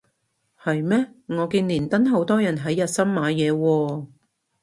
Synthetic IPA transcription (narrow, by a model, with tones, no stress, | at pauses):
hɐ˨jmɛː˥ŋɔː˨˧kiː˧nliː˨˩nt̪ɐ˥nɦo˨˥wt̪ɔː˥jɐ˨˩nɦɐ˨˥jːɐ˨t̚sɐ˥mmaː˨˧jɛː˨˧wɔː˧